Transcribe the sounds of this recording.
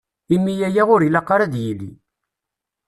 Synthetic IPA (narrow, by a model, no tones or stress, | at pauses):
imːijæjæʁʊɾilɑqːɑɾæd̪jilːḭ